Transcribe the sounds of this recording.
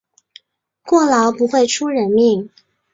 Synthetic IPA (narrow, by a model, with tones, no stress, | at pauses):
kwɔ˥˩lɑ˧˥ʊpu˧˥xwe˥˩ɪʈ͡ʂʰu˥ɻə˧˥nmi˥˩ŋ